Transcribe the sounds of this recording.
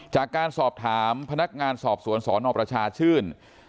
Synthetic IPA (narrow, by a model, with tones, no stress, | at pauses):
t͡ɕaː˨˩kːaː˧nsɔː˨˩p̚t̪ʰaː˩˦mpʰa˧na˦˥k̚ŋaː˧nsɔː˨˩p̚su˨˩˦ənsɔː˩˦nɔː˧pɾa˧t͡ɕʰaː˧t͡ɕʰɯː˥˩n